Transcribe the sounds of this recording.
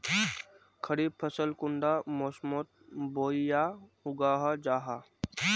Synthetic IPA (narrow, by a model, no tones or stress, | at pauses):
kʰəɾiːbpʰəsəlkʊɳɖaːmoːsmot̪̚boːijahʊɡaːɦad͡ʒaːɦa